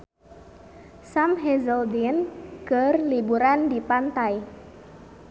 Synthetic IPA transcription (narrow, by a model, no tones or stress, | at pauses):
samɦɛzɔldinkərlibuɾandipant̪aj